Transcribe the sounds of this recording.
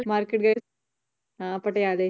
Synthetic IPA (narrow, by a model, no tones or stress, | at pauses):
maːɾkeʈ̚ɡɐ | apɐʈːɐjaːðe